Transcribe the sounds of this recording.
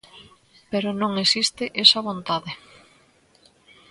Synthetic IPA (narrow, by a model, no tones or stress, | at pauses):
peɾonõŋesist̪ɪʔesɐβont̪aðɪ